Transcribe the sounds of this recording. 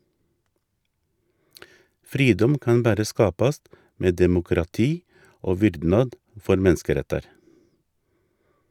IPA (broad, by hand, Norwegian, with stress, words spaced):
ˈfɾiːdɔm ˈkɑn ˈbæɾə ˈskɑːpɑst ˈmeː dɛmʊkɾɑˈtiː ˈoː ˈʋʏɾdnɑd ˈfɔɾ ˈmɛnskəˌɾɛtɑɾ